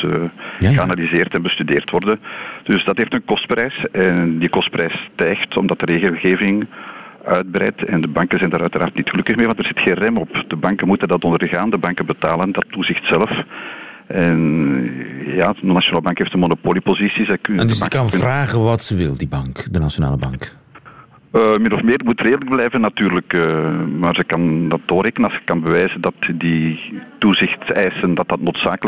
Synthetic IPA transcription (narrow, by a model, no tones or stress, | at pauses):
əɣəanalizeːrtɛnbəstydeːrtʋɔrdənd̥ʏsdɑtɦeːftənkɔst̚prɛjsɛndikɔst̚prɛjstɛxtɔmdɑtəreːɣəlˠɣeːvɪŋ | œɥd̚bəɾɛ̰jtɛndəbɑŋkənzɛjndaːɾœɥtəɾa̰ːrtnitxəlɵkəxmeːʋɑntərz̥ɪtxeːnrɛmɔpd̥əbɑŋkənmutəndɑtɔndərɣaːndəbɑŋkənbətaːləndɑtːuzɪxtsɛləf | ɛn | jaːnaʃionaːləbɑŋkɦeːftənmonopoːlipozisizɛkndŋkkɑnvraːɣənʋɑtsəʋɪlˠdibɑŋkdənaʃjona̰ːləbɑŋk | əmɪnɔfmeːɾmutreːdələɡ̚blɛːvənːɑtyːrləkəmaːrzəkɑndɑtːoreːkənənɑlˠsə̥kɑnbəʋɛːzəndɑtdituzɪxtɛːsəndɑt̚dɑtnoːtsaːkəl